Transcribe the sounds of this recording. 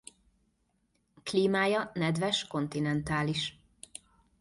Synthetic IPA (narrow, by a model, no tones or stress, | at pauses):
kliːmaːjɒnɛd̪vɛʃko̞nt̪inɛnt̪aːliʃ